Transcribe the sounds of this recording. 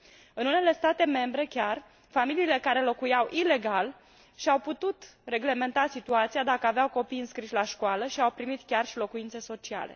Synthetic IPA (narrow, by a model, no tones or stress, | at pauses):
ɨnune̞le̞st̪at̪e̞me̞mbɾe̞kʲar | familiːle̞kaɾe̞lo̞kujawʔile̞ɡal | ʃiawput̪ut̪re̞ɡle̞me̞nt̪asit̪uat̪siad̪akəaveawko̞pijɨnskɾiʃlaʃkoaləʃiawpɾimit̪kʲarʃilo̞kuint̪se̞so̞t͡ʃia̰le̞̰